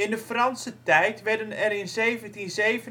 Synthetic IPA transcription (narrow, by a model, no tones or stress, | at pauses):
ɪndəfrɑnsətɛjtʋɛɹdənɛɾɪnzejvəntinzejvə